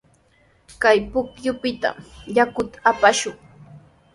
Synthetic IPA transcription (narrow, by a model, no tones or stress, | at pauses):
kajpʊkjʊpɪt̪a̰mjakʊt̪ḁapaʃʊŋ